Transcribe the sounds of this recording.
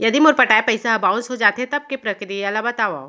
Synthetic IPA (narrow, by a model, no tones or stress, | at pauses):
jɐd̪imʊɾpɐʈaːepɐɪsaɐbãʊ̃sɦod͡ʒaːt̪ɦẽt̪ɐb̚kepɾɐkɾijalabɐt̪aːʋa